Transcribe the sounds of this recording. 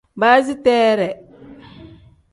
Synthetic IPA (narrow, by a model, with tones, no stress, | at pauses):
ba˦zi˦tɛː˦ɾɛ˨